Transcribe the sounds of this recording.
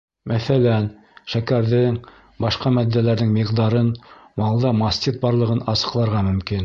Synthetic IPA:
mæθælæn | ʃækæɾðɘŋ | bɑʃqɑmæd̪iːælæɾðɘŋmiqd̪ɑɾɤnmɑlˠd̪ɑmɑsʲt̪ʲit̪̚bɑɾlˠɤ̆ʁɤnɑsɤ̆qlˠɑɾʁɑmɵ̆mkin

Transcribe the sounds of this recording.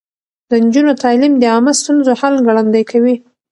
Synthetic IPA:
d̪ənd͡ʒunot̪ɑlimd̪əɑməst̪unzohalɡɽand̪ajkʰawi

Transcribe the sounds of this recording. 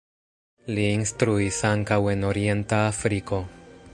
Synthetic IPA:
liːnstɾuisaŋkawe̞no̞ɾie̞ntaːfɾiko̞

